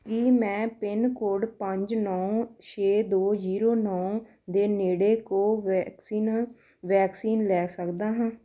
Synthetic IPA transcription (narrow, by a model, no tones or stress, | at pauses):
kimɛ̃ːpɪnkoːɖpəɲd͡ʒnɔːt͡ʃʰeːd̪oːziːɾoːnɔː | d̪eːneːɽeːkoːiː | ʋɛːksiːnlɛːsəkd̪aːɦãː